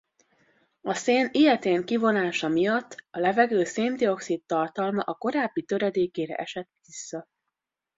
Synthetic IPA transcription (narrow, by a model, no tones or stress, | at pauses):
ɒseːnijɛt̪eːŋkivo̞naːʃɒmijɒt̪ːɒlɛvɛɡøːseːmd̪io̞ksit̪ːɒrt̪ɒlmɒʔɒko̞ɾaːbːit̪ø̞ɾɛd̪eːkeːɾɛ̰ʔɛʃɛt̪ʋisːɒ